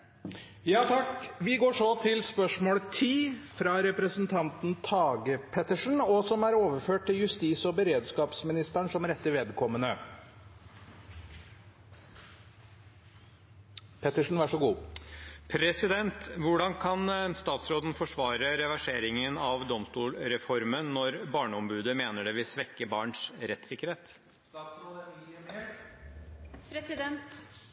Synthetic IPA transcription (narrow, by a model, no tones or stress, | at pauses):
jɑːt̪ʰɑkʋɪɡoːʂɔt̪ʰɪlspœʂmoːlt̪ʰiːfɾɑɾɛpɾəsənt̪ʰɑnt̪nt̪ʰɑːɡəpʰɛt̪əʂn̩ɔsɔmæɾoːʋəɾføːʈ̚t̪ɪljʉst̪iːsɔbəɾeːd̪skɑːpsmɪnɪst̪əɳʂɔmɾɛt̪ːəʋeːd̪kʰɔmːənə | pʰɛt̪əʂn̩ʋæʂɔɡuː | pʰɾɛsɪd̪ɛnt̪ʋʊɖɑnkʰɑnst̪ɑːt̪sɾoːd̪n̩fɔʂʋɑːɾəɾɛʋæʂeːɾɪŋənɑʋd̪ɔmst̪uːlɾɛfɔɾmənːɔɾbɑːɳəɔmbʉːd̪əmeːnəɖɛʋɪlsʋɛkːəbɑːɳʂɾɛt̪ːsɪkːəɾheːt̪ː | d̪ɛnt̪